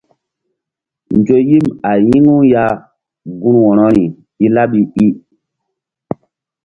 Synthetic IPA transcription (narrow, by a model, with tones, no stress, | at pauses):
nd͡ʒo˨ji˦ma˨ji˦ŋu˦ja˦ | ɡu˦nwɔ˨nɔ˦ɾi˨ | i˦la˦ɓi˨i˦